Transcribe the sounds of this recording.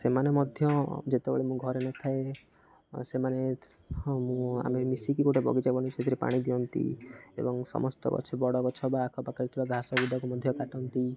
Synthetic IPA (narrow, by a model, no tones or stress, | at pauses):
semanemɔd̪ʱjɔ̃d͡ʒet̪ebɔ̰ɭimũɡʱɔɾenɔt̪ʰae | semane | mũa̰memisikikoʈʰebɔ̰ɡit͡ʃabɔnit͡ʃʰet̪ʰiɾipa̰ɽ̃id̪iɔnt̪ḭḛbɔŋsɔ̰mɔst̪ɔ̰kɔ̰t͡ʃʰɔbɔɽɔkɔt͡ʃʰɔbaːkʰɔpakəɾit̪ʰibaɡʱasɔbud̪ʱɔkumɔd̪ʱjɔkaʈɔnt̪i